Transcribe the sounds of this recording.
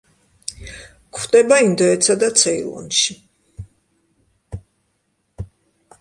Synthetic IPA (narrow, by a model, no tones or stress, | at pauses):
kχd̪ɛbaind̪ɔɛt̪sʰad̪at̪sʰɛḭlˠɔ̰nʃi